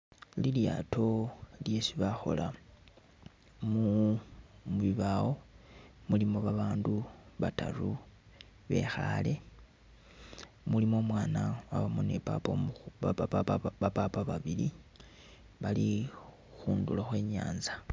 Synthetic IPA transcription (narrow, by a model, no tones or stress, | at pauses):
lilja̰tʰo̞lje̞siβaxo̞̰la | mu | βiβawo̞mulimo̞βaβaːnduβata̰ru | βe̞̰xale̞ | mulimo̞mwaːnawaβamonḛpapo | apapaβaβili | βali | xuːndulaxwe̞ːɲa̰ːnzḁ